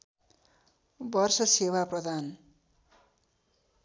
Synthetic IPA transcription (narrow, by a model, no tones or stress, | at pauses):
bʌrsʌsewaprʌd̪ʱan